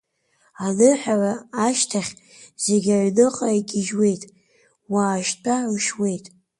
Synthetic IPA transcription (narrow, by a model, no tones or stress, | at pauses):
anɨħʷaraːʃtʰaχʲ | z̥eɡʲaʕnɨqʼaiɡʲɪʒwe̞jtʼ | waːʃtʰʼaʕuʃwe̞jtʼ